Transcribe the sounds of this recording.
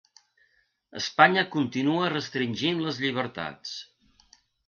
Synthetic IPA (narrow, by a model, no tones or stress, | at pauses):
ə̰spaɲəkunt̪inuərəst̪ɾinʲʒinləzʎiβ̞əɾt̪a̰t͡s